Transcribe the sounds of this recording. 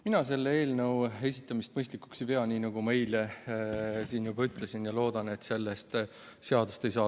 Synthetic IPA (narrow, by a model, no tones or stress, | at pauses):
minɑse̞lːee̞ːlnɤwe̞sit̪ːˑɑmist̪̚mɤjst̪likːu̥ksipe̞ɑniːnɑɡ̥ume̞jle | siːnjubɑyt̪ˑle̞sinjɑlo̞ːd̪̥ɑne̞t̪se̞lːest̪ | se̞ɑd̪ust̪e̞js̬ɑː